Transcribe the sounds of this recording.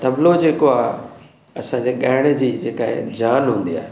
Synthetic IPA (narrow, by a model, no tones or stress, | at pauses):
t̪ɐblod͡ʑeːkoaːɦe | ɐsãd͡ʑeɠaːɦɪɽ̃ə̆d͡ʑiːd͡ʑeːkaːɦḛd͡ʑaːnɦũːn̆d̪ia̰ːɦe